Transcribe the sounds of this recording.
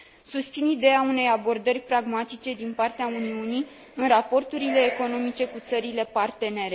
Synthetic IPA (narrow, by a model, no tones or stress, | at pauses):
sust̪sinid̪e̞aune̞jabo̞rd̪ərʲpɾaɡmat̪it͡ʃe̞d̪inpart̪eauniuni | ɨnrapo̞rt̪uɾile̞ːko̞no̞mit͡ʃe̞kut̪səɾile̞part̪e̞ne̞ɾe